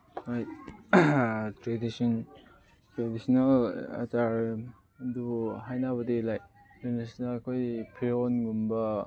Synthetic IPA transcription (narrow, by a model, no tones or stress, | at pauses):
ɾajt̚ | tɾedisɔn | tɾedisɔnalɐ̰taɾ | duɦajnaβɐdelajtɾedisnalkʰojpʰiɾonɡumbɐ